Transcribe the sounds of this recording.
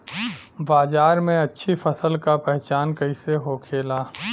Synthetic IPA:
baːzaːɾmẽɐtːʃʰifəsəlkapɛɦt͡ʃaːnkɐiseɦokʰeːlaː

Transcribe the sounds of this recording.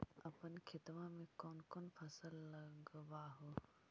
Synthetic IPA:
ɐpənkʰɪt̪ʋãmẽkoːnkoːnpʰɐsəlːɐɡʋaɦo

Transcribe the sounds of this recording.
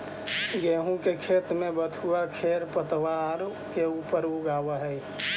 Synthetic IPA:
ɡeːɦũkekʰeːt̪mẽbət̪ʰuakʰeɾpət̪waɾ | keuːpəɾuɡaːʋəɦɛj

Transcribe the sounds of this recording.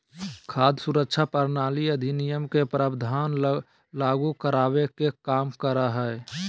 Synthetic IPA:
kʰaːd̪suɾəkʃʰapəɾnaːliəd̪ʱinijəmkepɾʔaːbd̪ʱaːn | laːɡukəɾaːʋekekaːmkəɾaɦɛː

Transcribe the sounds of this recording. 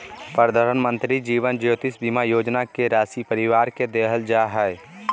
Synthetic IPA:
pɾəd̪ʱaːɾənmə̃nt̪ɾid͡ʒiːʋənd͡ʒjoːt̪ɪsbimajoːd͡ʒnakeɾaːsipəɾɪʋaːɾked̪eːɦəld͡ʒaːɦɛe

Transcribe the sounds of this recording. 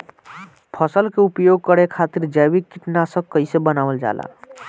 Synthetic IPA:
pʰəsəlkeupjoɡ̚kəɽekʰat̪iɾd͡ʒəjbikːiʈnasə̃kəisebənawəld͡ʒa̰la̰

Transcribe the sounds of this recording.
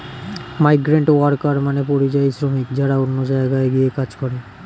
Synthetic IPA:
majɡɾaɳʈoaɾkaɾmanepoɾit͡ɕajsɾomikd͡ʑaɽaonːod͡ʑaeɡaeɡiekad͡ʑkɔɾe

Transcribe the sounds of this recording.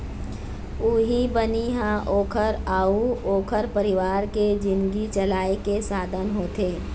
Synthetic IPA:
uːɦibəniɦãʔoːkʰəɾaːuoːkʰəɾpəɾɪʋaːɾked͡ʒɪ̃nɡit͡ʃəlaːekesaːd̪ʱənɦoːt̪eː

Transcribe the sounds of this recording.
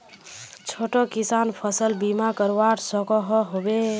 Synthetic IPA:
t͡ʃʰoʈɔkisanpʰəsəlbimakəɾʋaɾsɔkɔɦɔɦobe

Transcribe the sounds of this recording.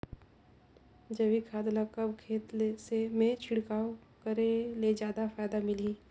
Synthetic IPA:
d͡ʒɐʋikʰaːd̪nakɐbkʰeːt̪lesemẽt͡ʃʰɪɽkaːw | kəɾeled͡ʒjaːd̪afaːjd̪amɪli

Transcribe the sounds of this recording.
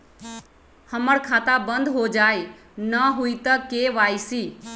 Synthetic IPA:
həməɽkʰat̪abənd̪ʱɦod͡ʒaj | nəɦuit̪əkeʋaːjsi

